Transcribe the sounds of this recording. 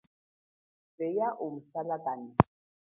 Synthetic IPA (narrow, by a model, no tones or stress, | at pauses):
bɛjaʔumsalakʼani